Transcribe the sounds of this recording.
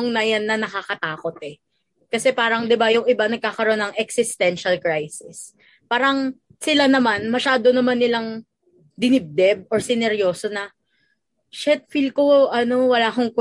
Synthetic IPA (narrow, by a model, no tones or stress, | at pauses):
ŋnɐjanːɐnɐkakɐt̪aːko̞t̪̚ɛ | kɐsɛpaːɾɐŋd̪ɪbajʊŋɪbanɐɡ̚kaːkɐɾoonːɐŋɛksɪst̪ɛnʃɐlkɹajsɪs | paːɾɐŋ | sɪlanɐmanmɐʃaːd̪o̞nɐmanːɪlaŋ | d̪ɪnɪb̚d̪ɛb̚oɹsɪnɛɾjo̞ːso̞nɐ | ʃɛt̪̚fil̚koʔɐno̞wɐlaːɦʊŋkʊ